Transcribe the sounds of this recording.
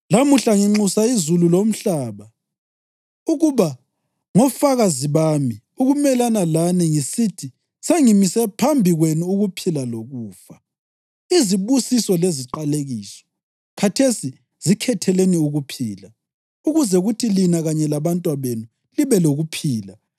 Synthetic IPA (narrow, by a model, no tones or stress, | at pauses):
lamuɬaŋiŋ͡ǁusaizululom̩ɬaːβa | uɣuβa | ŋɔfaɣaziβaːmi | uɣumɛlanalaniŋisitʰi | seŋimisɛpʰambʱiɣwenuuɣupʰilaloɣuːfa | iziβusisɔleziǃaleɣiːsɔ̥ | kʰatʰesi | z̥ikʰɛtʰɛleniuɣupʰiːla | uɣuzɛɣutʰilinaɣaɲɛlaβantʼwaβenu | liβɛloɣupʰiːla